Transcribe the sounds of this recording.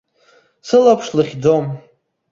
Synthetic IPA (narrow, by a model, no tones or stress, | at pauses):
sɨlapʰʂlɨχʲd͡zom